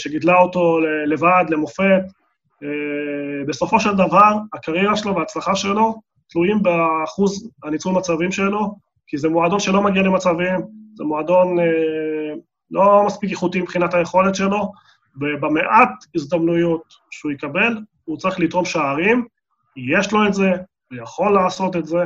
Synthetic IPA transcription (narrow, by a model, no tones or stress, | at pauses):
ʃeɡid̪laoto̞lele̞vadle̞mo̞fe̞t̪ | be̞so̞fo̞ʃe̞ld̪avaʁakaʁjɛʁaʃeloveaːt͡slaχaʃe̞lo̞ | t̪lujimbeχuzanit͡sulmat͡savimʃelo̞ | kizemoad̪o̞nʃelo̞maɡialemat͡savimzemoad̪o̞ne | lo̞maspikjeχut̪imbχinataje̞χo̞le̞t̪ʃe̞lo̞ | bebameʔat̪izd̪amnujot | ʃeujikabe̞l | ut͡saʁiχlitʁo̞mʃaːʁim | ijeʃlo̞etze̞ | ujaχo̞lːaːso̞t̪etze̞